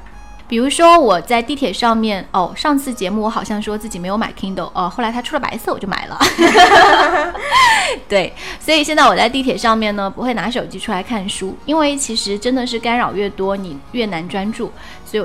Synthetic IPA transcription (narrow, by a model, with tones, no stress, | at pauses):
pi˨˩ɻu˧˥ʂwɔ˥wɔ˨˩t͡sa˥˧ɪt̪i˥˩t̪ʰjɛ˨˩ʂɑ˥˧ŋmjɛ˥˩no˥˩˧ʂɑ˥˧ŋt͡sʰɹ̩˥˩t͡ɕjɛ˧˥mu˥˩wɔ˧˥xɑ˨˩ʊɕjɑ˥˩ŋʂwɔ˥t͡sɹ̩˥˩t͡ɕi˨˩me˧˥ɪjo˧˥ma̰˨˩ɪk̪ʰi˥ŋt̪o˥˩ʊʔə˥˧xo˥˩la˧˥ɪt̪ʰa˥ʈ͡ʂʰu˥lə˩pa̰˧˥ɪsɤ˥˩wɔ˨˩t͡ɕjo˥˩ʊma̰˨˩ɪlʔə̰˦ | t̪we˥˩ɪswɔ˧˥i˨˩ɕjɛ˥˧nt͡sa˥˩ɪwɔ˨˩t͡sa˥˧ɪt̪i˥˩jɛ˨˩ʂɑ˥˧ŋmjɛ˥˩nnə˩pu˧˥xwe˥˩ɪna˧˥ʂ̬o˨˩ʊt͡ɕi˥ʈ͡ʂʰu˥la˧˥ɪkʰa˥˩nʂu˥i˥nwe˥˩ɪt͡ɕʰi˧˥ʂɻ̩˧˥ʈ͡ʂə˥nd̪ə˨ʂ̬ɻ̩˥˩ka˥nɻɑ˨˩ʊɥɛ˥˩t̪wɔ˥ni˨˩ɥɛ˥˩na˧˥nʈ͡ʂwa˥nʈ͡ʂu˥˩ | swɔ˧˥i˨˩